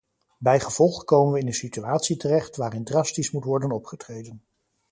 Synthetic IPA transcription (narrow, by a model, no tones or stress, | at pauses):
bɛjχəv̥ɔlˠχəkowmənʋəɪnənsityaːtsitərɛχtʋaːɾɪndrɑstismutʋɔɹdənɔpχətrejdən